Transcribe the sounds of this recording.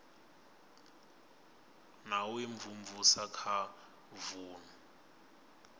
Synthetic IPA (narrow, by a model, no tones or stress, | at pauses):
nawiɱvumvusakʰa | vuːnu